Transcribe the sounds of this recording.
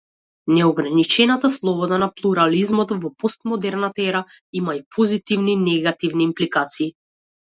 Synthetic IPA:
nɛɔɡɾanit͡ʃɛnat̪aslˠɔbɔd̪anaplˠuɾalizmɔt̪vɔpɔst̪mɔd̪ɛɾnat̪aɛɾa | imaipʰɔzit̪ivninɛɡat̪ivniːmplikat̪siː

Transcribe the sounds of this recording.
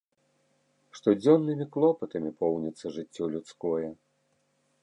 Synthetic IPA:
ʂt̪ɔd͡zʲɔnːɨmʲiklˠɔpɨt̪ɐmʲipɔwnʲɛt̪sːɐʐɨt͡sʲːɔlʲut̪skɔjɛ

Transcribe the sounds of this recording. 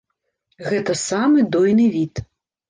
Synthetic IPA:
ɣɛt̪ɐsamɨd̪ɔjnɨvʲit̪

